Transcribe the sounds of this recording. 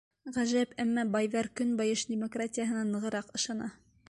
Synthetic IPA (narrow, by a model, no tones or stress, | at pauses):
ʁæʒæpæmːɑbɑjðɑɾkɵnbɑjɤʃd̪ʲɪmokratʲɪjaɦɤ̆nɑnɤ̆ʁɤ̆ɾɑqɤ̆ʃɑnɑ